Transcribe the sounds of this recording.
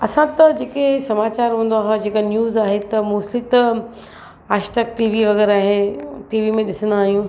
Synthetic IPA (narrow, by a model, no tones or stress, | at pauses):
ɐsãt̪ɐd͡ʑeːkesɐmaːt͡ɕaːɾɦũːn̆d̪oaːɦed͡ʑeːkanjuːzaːɦet̪ɐmuːsɪt̪ | aːʃt̪ɐk̚ʈiːʋiʋɐɣɛːɾaːɦenʈiːʋimẽɗɪsə̃nd̪aːɦijũː